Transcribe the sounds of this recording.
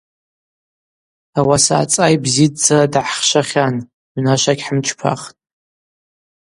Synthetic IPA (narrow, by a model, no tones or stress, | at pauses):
awasa̰ːt͡sʼajbzidd͡zadʕχʃaχʲan | ʕʷnaʃaɡʲħəmt͡ʃʰpʰa̰χtʼ